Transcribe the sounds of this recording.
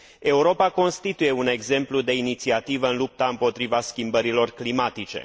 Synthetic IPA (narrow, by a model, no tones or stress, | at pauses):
e̞uɾo̞pako̞nst̪it̪uje̞une̞ɡze̞mplud̪e̞init̪siat̪ivəɨnlup̚t̪aɨmpo̞t̪ɾivaskʲimbəɾilo̞rklimat̪it͡ʃe̞̰